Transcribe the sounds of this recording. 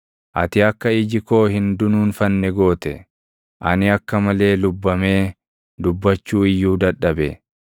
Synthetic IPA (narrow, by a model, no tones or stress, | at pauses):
ʔɐ̰t̪ɪɐkːɐɪd͡ʒɪko̞ːhɪnd̪ʊnuːnfɐnːɛɡo̞ːt̪ɛ | ʔɐ̰nɪɐkːɐmɐle̞ːlʊbːɐme̞ː | d̪ʊbːɐt͡ʃːuːɪjːuːd̪ɐᶑːɐbɛ̰